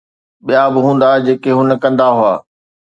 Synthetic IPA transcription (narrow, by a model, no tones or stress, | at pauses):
ɓijabɪɦũːnd̪ad͡ʑeːkeɦʊnəkɐ̃nd̪aɦʊa̰ː